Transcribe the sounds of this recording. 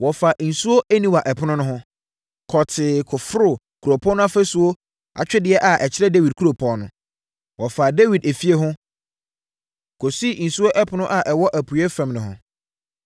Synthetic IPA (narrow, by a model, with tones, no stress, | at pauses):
wɔ˨fa˨ʔn̩˨su˦o˦ʔæ˦nĩ˦wa˨ʔɛ˨pʰʊ˦nʊ̃˦nʊ̃˦ɦʊ̃˦ | kʰɔ˨tʰɪ˨kʰʊ˨fɾʊ˦˨ | kʰu˨ɾo˨pʰɔ̃˦nʊ̃˦a˦fæ˦su˨o˦ | a̰˨t͡ɕᶣɛ˦dɪ˨ɛ˦ʔa˨ʔɛ˨t͡ɕʰɪ˦ɾɛ˦de˦wi˨d̚kʰu˦ɾo˨pʰɔ̃˦nʊ̃˨ | wɔ˨fa˨de˦wi˨de˨fi˦e˦ɦʊ̃˦ | kʰo˨si˦˨n̩˨su˦o˦ʔɛ˦pʰʊ˨nʊ̃˦ʔa˨ʔɛ˨wɔ˦ʔæ˨pʰu˨ɛ˦fã˨mnʊ̃˨ɦʊ̰̃˨